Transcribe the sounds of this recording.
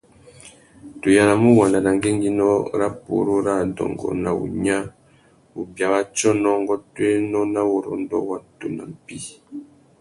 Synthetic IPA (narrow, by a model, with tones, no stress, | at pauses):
tu˨ja˨la˨mu˦wa˨nda˨na˨ŋɡe˦ŋɡi˦nɔ˦ɾa˦po̰˦ɾo˦ɾa˦˨dɔ̰˨ŋɡɔ̰˨na˨ṵ˨ɲa˦ | u˨bja˨wa˦t͡ʃɔ˦nɔ˦ŋ˦ɡɔ˦twe˦nɔ˦na˦wo˨ɾɔ̰˨ndɔ̰˦wa˦to˨na̰˨m̩˨pi˦